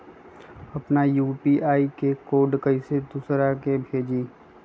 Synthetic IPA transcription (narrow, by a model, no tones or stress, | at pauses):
ɐpnajuːpiʔaːikekoːɖkɐised̪uːsɾakebʱeːd͡ʒiː